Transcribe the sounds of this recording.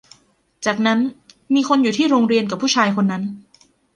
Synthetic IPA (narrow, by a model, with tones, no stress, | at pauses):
t͡ɕaː˨˩k̚na˦˥n | miː˧kʰo˧njuː˨˩iː˥˩ɾoː˧ŋɾi˧ənka˨˩pʰːuː˥˩t͡ɕʰaː˧jkʰo˧nːa˦˥n